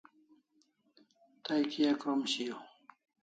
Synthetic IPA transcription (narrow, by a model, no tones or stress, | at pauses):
t̪ajkijakɾomɕijo